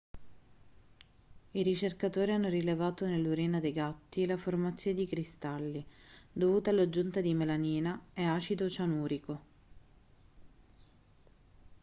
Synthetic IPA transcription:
iɾit͡ʃerkat̪oːɾianːoɾilevaːt̪onelːuɾiːnad̪ejɡat̪ːilaformat̪sːjoned̪ikɾist̪alːid̪ovuːt̪alːad͡ʒunt̪ad̪imelaniːnaɛaːt͡ʃid̪ot͡ʃanuːɾiko

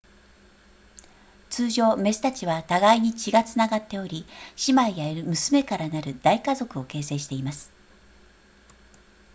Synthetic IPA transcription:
t͡sɨːʑo̞ːme̞sɨ̥t̪at͡ɕiβat̪aɡaiɲ̟it͡ɕiɡat͡sɨnaɡat̪ːe̞o̞ɾʲiɕimaijaeɾɯ̟mɯ̟sɨme̞kaɾanaɾɯ̟d̪̥aikazo̞kɯ̟o̞ke̞ːse̞ːɕi̥t̪e̞imasɨ̥

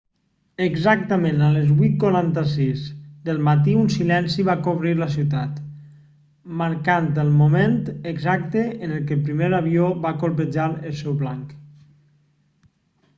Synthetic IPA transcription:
əɡzak̚t̪əmenaləzβwut̪̚kwaɾant̪əsizd̪əlˠmat̪iunsilɛnsiβakoβɾiɾləs̬iwt̪at̪ | məɾkant̪əlˠmument̪əɡzak̚t̪əːnəlˠkəlpɾimeɾaβioβakolˠpəd͡ʒaɾəlˠsɛwβlaŋk

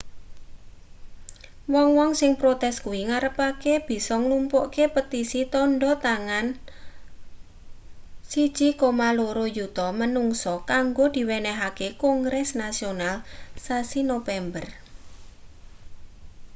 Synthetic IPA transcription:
wɔŋwɔŋsɪŋpɾot̪ɛskuwiŋaɾəpakeb̥i̤sɔŋlumpɔʔkepət̪isit̪ɔɳɖɔt̪aŋan | sid̥ʒ̥ikomaloɾojut̪ɔmənuŋsɔkaŋɡod̪̥i̤wɛnɛɦakekɔŋɡɾɛsnasionalsasinofɛmbər

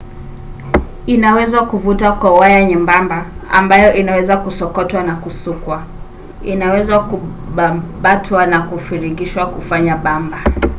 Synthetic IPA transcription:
inawɛzwakuvutakwauajaɲɛmbambaa̰mbajɔʔinawɛzakusɔkɔtwanakusukwa | inawɛzwaku | ɓaɓatʰwanakufiɾiɡiʃwakufaɲaɓamba

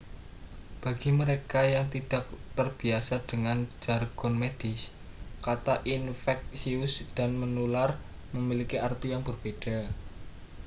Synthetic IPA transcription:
b̥a̤ɡ̥iməɾekajaŋt̪id̥a̤k̚t̪ərb̥i̤asad̥əŋand͡ʒarɡ̥ɔnmed̥ɪs | kat̪aʔinfɛk̚siʊsd̥a̤nmənular | məmilikiʔart̪ijaŋb̥ərb̥ed̥a̤

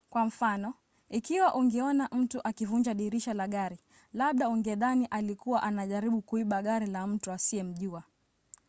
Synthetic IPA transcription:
kwam̩fanɔ | ikiwaʔuŋɡɛɔnaʔm̩tuʔakivuɲd͡ʒaɗiɾiʃalaɠaɾi | laɓ̚ɗauŋɡɛðaniʔalikuwaʔanaʄaɾiɓukuiɓaɠaɾilam̩tuasiɛm̩ʄua

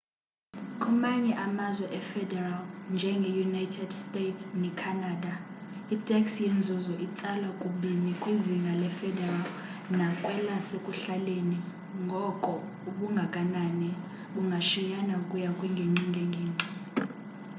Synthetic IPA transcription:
kʼɔmaɲɛʔamazwɛʔɛfɛdɛralnd͡ʒʱɛŋɡʱɛjunajtʰɛdstʼetʰsnɛkʰanaːda | itʼɛksjend͡zʱuzɔʔit͡sʼalwakʼuɓinikʼwiziŋɡʱalɛfɛdɛral | nakʼwɛlasekʼuɬaleni | ŋɡʱɔkʼɔ | uɓuŋɡʱakʼananɛ | ɓuŋɡʱaʃijanaukʼujakʼwiŋɡʱeŋ͡ǀiŋɡʱɛŋɡʱeːŋ͡ǀʱi

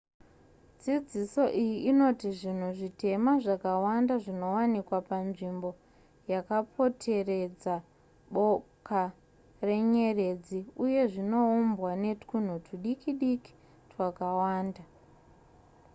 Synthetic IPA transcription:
d͡zid͡ziso̞ʔijiino̞tiʐin̤uʐite̞maʐakawandaʐino̞wanikwapanʐimbo̞ | jakapʰo̞tʰe̞re̞d͡za | ɓo̞ka | re̞ɲe̞re̞d͡ziuje̞ʐino̞umbwane̞tkun̤utuɗikiɗiki̥ | twakawaːnda

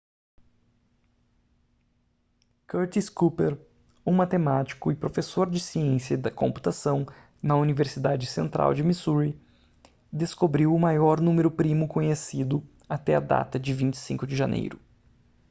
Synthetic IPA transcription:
koɾt̪iskupeɾ | umat̪emat͡ʃi̥kʊɪpɾofesoɾd͡ʒɪsiẽsjɐd̪ɐkõ̰mpu̥t̪asɐ̃w̃ | nɐuniveɾsid̪ad͡ʒɪsẽnt̪ɾʔa̰wd͡ʒɪmisuɾi | d̪eskobɾiwʊmajɔɾnũmeɾʊpɾimʊkõɲesid̪ʊ | at̪ɛɐd̪a̰t̪ɐd͡ʒɪvĩt͡ʃɪ̥sĩŋkʊd͡ʒɪʒanʔḛjɾʊ

